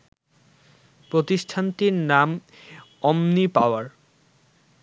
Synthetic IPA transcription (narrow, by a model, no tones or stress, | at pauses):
pɾot̪iʃʈʰant̪iɾnam | ɔmnipaoaɾ